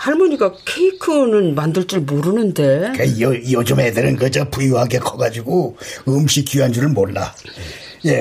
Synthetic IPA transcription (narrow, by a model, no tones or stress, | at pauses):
haɭmuɲiɡakʰeikʰɯnɯnmandɯɭt͡ɕ͈iɭmoɾɯnɯnde̞kajod͡ʑʌmedɯɾɯnkɯd͡ʑʌpujuɦaɡekʰʌɡad͡ʑuɡoɯmɕ͈ʰik͈juand͡ʑuɾɯɭmolːa̰ | je̞